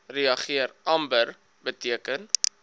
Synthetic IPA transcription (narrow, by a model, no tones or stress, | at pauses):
riɐχiəɾɐmbər | bətiəkən